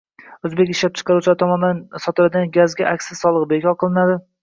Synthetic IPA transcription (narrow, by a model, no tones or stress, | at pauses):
ɵzbekʲɪʃlap̚t͡ʃʰɨ̥qʰɑɾuwt͡ʃʰlaɾt̪ʰɒmɒnd̪ansɒt̪ʰɪlad̪ɪɡʲanɡʲazɡʲaʔakʲsɪsɒlˠɨʁbekʰʲɒɾqʰɨlˠɪnad̪ɪ